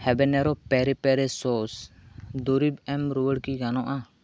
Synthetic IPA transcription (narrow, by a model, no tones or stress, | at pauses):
hɛbɛnɛɾɔpɛɾɛpɛɾɛsɔsd̪uɾibɛmɾuwəɽkiɡanɔʔa